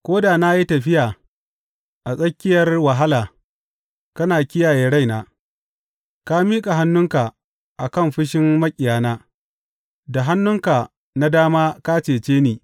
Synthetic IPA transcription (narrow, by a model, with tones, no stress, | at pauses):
kʷoː˦da˨na˦ji˦tɐ˨ɸɪ˦jaː˨ | ʔa˨sʼɐ˦kʲːɪ˦jɐ˨rwɐ˨ɦa˦laː˨ | kɐ˦naː˨kʲɪ˦jaː˨jeː˨ɽa˦˨jnaː˦ | ka˦miː˦kʼa˨ɦa˦nːʊ˦ŋka˨ | ʔa˨kɐ˦˨mɸɪ˦ʃ̬ɪ˦mmɐ˦kʲʼɪ˨jaː˦naː˦ | da˨ɦa˦nːʊ˦ŋka˨ | na˦daː˦maː˦ka˦t͡ʃeː˨t͡ʃeː˦niː˨